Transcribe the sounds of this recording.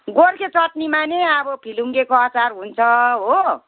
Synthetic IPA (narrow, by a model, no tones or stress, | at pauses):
ɡorkʰet͡sʌʈnimaneʌbʌpʰiluŋɡekoat͡sarɦunt͡sʰʌɦo